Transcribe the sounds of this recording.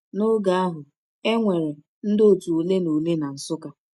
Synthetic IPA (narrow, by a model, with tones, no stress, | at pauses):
no˦ɡa˨a˦ɦʊ˨ | e˦ŋʷe˨ɾe˨ | n̩˦do˨tu˨u˨le˦no˨le˦na˨n̩˨sʊ˦ka˦